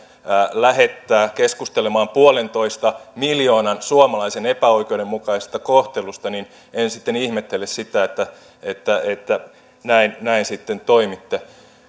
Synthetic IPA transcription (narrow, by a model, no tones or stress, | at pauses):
læhet̪ːæːkeskust̪elemɑːmpuolent̪oist̪ɑmiljoːnɑnsuɑmɑlɑisenepæoikeudemmukɑise̥st̪ɑkoht̪elust̪ɑnin | ensit̪ːenihmet̪ːelessit̪æet̪ːæ | et̪ːæet̪ːæ | næinnæinsit̪ːent̪oimit̪ːe